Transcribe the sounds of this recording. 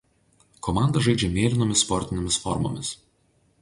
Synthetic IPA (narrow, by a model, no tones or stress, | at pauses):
kɔmɑˑnd̪ɐʒɐɪd͡ʒʲɛmʲeːlʲɪnoːmʲɪsspɔɾʲt̪ʲɪnʲeːmʲɪsfɔɾmo̰ːmʲɪs